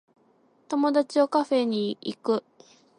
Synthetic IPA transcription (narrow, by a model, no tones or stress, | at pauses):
t̪o̞mo̞d̪at͡ɕio̞kaɸe̞ɲ̟iḭkɯ̟